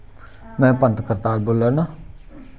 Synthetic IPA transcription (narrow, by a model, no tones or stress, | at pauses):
mɛ̃ːpənt̪kəɾt̪aːlboːlənaː